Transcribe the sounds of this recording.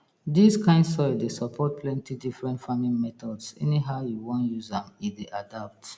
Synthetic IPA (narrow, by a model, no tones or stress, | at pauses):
diskʰãɪ̃ndsɔɪdesɔpʰɔt̚pʰlɛ̃ntʰidifɹɛ̃ntfãmĩnmɛtɔdsɛ̰niɦaʊjuwɔ̃njuzdãmifdeʔadap̚t